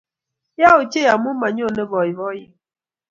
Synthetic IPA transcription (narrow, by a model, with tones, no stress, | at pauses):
ja˦o˨t͡ʃe˦ja˨mʊ˦ma˨ɲ˦o˦˨ne˦bɔ˨ɪ˨βɔ˦jɪ˦